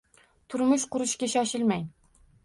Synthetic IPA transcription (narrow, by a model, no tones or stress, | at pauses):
t̪ʰʊɾmʊʃqʊɾʊʃkʲaʃɒʃɪlmaj